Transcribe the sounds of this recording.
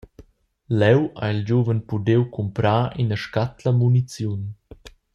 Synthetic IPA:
lɛwa̰ild͡ʑuvənpudewkʰumpɾaːʔinəʃkat̪ləmunit͡sjun

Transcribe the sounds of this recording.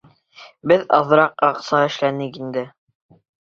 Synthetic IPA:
bɘðɑðɾɑqɑqsɑɘ̆ʃlænɘkind̪ɘ

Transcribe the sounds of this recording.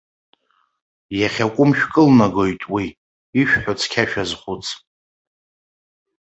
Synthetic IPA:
jaχʲakʷʼʊmʃᶣkʼɨlnaɡo̞jtʼwiː | ʃᶣħot͡sʰkʲʰaʃᶣazχʷʊt͡sʰʼ

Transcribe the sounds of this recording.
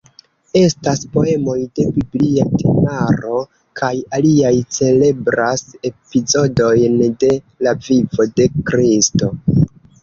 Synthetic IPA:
e̞staspo̞e̞mo̞jde̞bibliatʰenaɾo̞ | kʰajaliajt͡se̞le̞bɾase̞pizo̞do̞jnde̞ | lavivo̞de̞kɾisto̞

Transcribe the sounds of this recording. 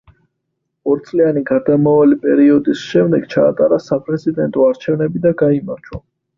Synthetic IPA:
ɔɾit̪sʼlianiɡad̪amavalipʼɛɾiɔd̪isʃɛmd̪ɛɡ̥t͡ʃʰaːt̪ʼaɾasapʼɾɛzid̪ɛnt̪ʼɔaɾt͡ʃʰɛvnɛbid̪aɡaimaɾt͡ʃʰwa

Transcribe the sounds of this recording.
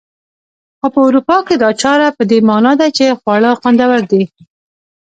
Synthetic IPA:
xopəʊɾupɑked̪ɑt͡ʃɑɾapəd̪emɑnɑd̪at͡ʃexwɑɭəxwand̪awaɾd̪i

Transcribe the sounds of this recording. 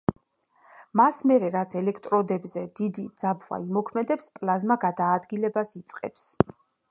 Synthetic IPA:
masmɛɾɛɾat̪sʰɛlɛkʰt̪ʼɾɔd̪ɛbzɛd̪̥id̪id̪zabva̰imɔkʰmɛd̪ɛpspʼlˠazmaɡad̪aːd̪ɡilɛbasit̪sʼqʼɛ̰ps

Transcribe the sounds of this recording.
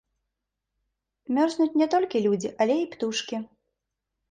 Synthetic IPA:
mʲɔrznut͡sʲnʲɛt̪ɔlʲkʲilʲud͡zʲiʔalʲɛipt̪uʂkʲi

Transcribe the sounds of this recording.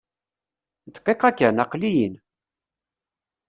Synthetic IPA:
t̪qːeqækːænɑqlijən

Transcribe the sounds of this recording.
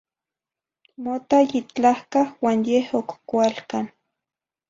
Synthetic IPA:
mot̪ajit͡ɬahkahwanjehokkwalkan

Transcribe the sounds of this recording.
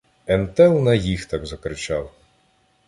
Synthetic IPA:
ɛmt̪ɛlˠnɐjixt̪ɑɡzɐkɾɪt͡ʃɑw

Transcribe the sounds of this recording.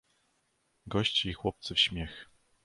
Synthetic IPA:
ɡɔɕt͡ɕiːxwɔp̚t̪sɘfɕmʲɛx

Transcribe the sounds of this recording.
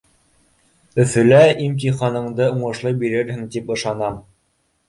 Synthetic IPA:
ɵ̆θɵ̆læimt̪iχɑnɤ̆ɴd̪ɤuɴɤ̆ʃlˠɤjbiɾɘɾhɘŋt̪ipɤ̆ʃɑnɑm

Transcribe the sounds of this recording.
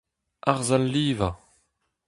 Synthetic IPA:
aʁzalːiːva

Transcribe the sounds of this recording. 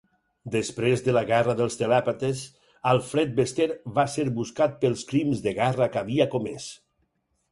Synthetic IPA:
d̪əspɾezðəlaɣɛrəðəlˠst̪elɛpat̪es | əlˠfɾɛt̪̚best̪eɾβaseɾbuskat̪̚pəlˠskɾimzðeɣɛrəkaβiakomḛs

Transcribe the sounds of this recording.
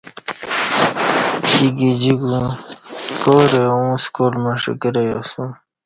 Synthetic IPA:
siɡid͡ʑiɡũ | koːɾeũskoːlmaʂḭkəɾejosũ

